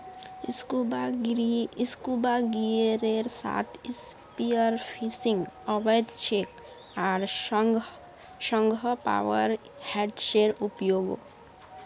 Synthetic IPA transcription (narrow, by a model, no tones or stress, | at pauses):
skubaɡieɾeɾsa̰ːt̪ʰɪspiəɾpʰisɪ̃ŋɡɔbəjd̪t͡ʃʰeːk | aɾ | ʃə̃ŋɡʱəpa̰ːʋəɾ | hɛːɖʃeːɾʊpjoːɡo̰